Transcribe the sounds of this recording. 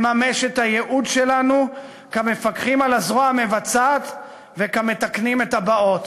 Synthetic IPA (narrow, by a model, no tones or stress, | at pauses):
mame̞ʃethajeʔud̪ʃe̞lanu | kamefakχimalazʁoaame̞vat͡sat̪ | ve̞kame̞t̪aknimethabao̞t